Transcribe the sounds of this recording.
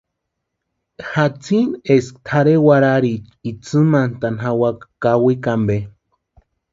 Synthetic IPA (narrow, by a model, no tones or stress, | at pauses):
hat͡sʰineskt̪ʰaɾewaɾaɾit͡ʃit͡sɨmant̪anɦawakkawikambe